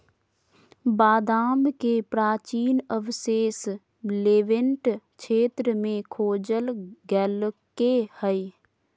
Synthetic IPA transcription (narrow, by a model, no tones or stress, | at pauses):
baːd̪aːmkepɾaːt͡ʃiːnəʋseːs | leːʋɪɳʈkʃʰeːt̪ɾəmẽkʰoːd͡ʒəlɡɛlkehəi